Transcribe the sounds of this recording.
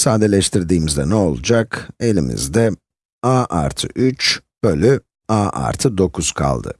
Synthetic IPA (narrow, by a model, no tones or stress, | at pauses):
saːd̪elʲɛʃt̪ʰiɾd̪iːmizd̪ɛnɛo̞lˠud͡ʒake̞lʲḭmḭzd̪ɛ | aːʔaɾt̪ʰɯ̰ʔyt͡ʃb̥ølʲy | aːʔa̰ɾt̪ʰɯd̪o̞kʰuz̥kʰa̰lˠd̪ɯ̰